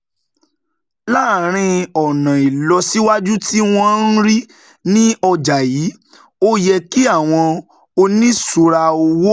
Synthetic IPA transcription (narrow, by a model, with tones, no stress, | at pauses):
laː˦˨ɾ̃ĩ˧ɔ˨nã˨i˨lɔ˧si˦wa˦d͡ʒu˦ti˦w̃ɔ̃˦˧˦n̩˦ɾi˦ | nĩ˦ɔ˧d͡ʒa˨jiː˨˦ | o˦jɛ˧ki˦a˦˨w̃ɔ̃˧ | o˧nĩ˦su˨ɾa˧o˧wo˦